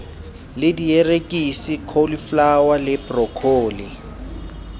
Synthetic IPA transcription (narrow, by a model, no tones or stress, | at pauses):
lɪdijerekʼisikʰoliflawalɪbrɔkʰoːli